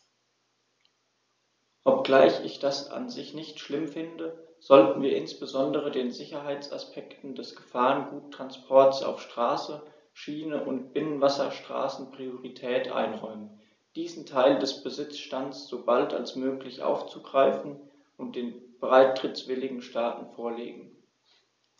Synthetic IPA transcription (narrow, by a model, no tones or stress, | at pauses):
ʔɔp̚ɡ̥laɪçɪçd̥asa̰nzɪçnɪçtʃlɪmfɪndəz̥ɔltn̩viːɐʔɪnsb̥əzɔndəʁ̞ədeːnzɪçɐɦaɪt͡sa̰spʰɛktn̩dɛsɡ̥əfaːʁənɡuːtʁ̥anspʰɔɐtsa̰ʊfʃtʁ̥aːsə | ʃiːnəʔʊntb̥ɪnənvasɐʃtʁ̥a̰ːsn̩pʁ̥ioʁitʰɛːtʔa̰ɪnʁɔʏmən | d̥iːzn̩tʰaɪldɛsb̥əzɪt͡sʃtansz̥oːbalta̰lsmøːklɪçʔa̰ʊft͡suɡʁaɪfn̩ | ʔʊnt̚d̥eːnbəʁaɪtʁ̥ɪt͡sv̥ɪlɪɡŋ̩ʃtaːtn̩foːɐlḛːɡŋ̩